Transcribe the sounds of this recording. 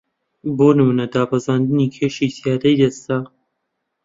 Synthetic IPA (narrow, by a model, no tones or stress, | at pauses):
boːnɨmuːnɐd̪aːpɐzaːnd̪ɨniːkʰeːʃiːzijaːd̪ɐjd̪ɐst̪a